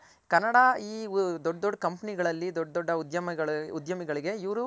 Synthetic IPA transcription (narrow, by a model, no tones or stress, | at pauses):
kɐɾnːɐɽaiːd̪ɔɖːd̪ɔɖːɐkɐmpɐniɡɐɭɐlːid̪ɔɖːɐd̪ɔɖːɐud̪jɐmɐɡɐɭud̪jɐmiɡɐɭiɡe̞iʋɾu